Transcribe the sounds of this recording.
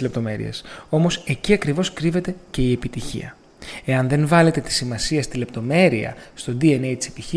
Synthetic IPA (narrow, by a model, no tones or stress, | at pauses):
lept̪o̞me̞ɾḭḛso̞mo̞se̞ciɐkɾivo̞skɾive̞t̪e̞ce̞ie̞pit̪içḭɐ̰ | e̞ɐnðe̞nvɐle̞t̪e̞t̪i̥simɐsiɐst̪ile̞p̚t̪o̞me̞ɾiɐ̰st̪o̞d̪ienejt̪i̥se̞piçi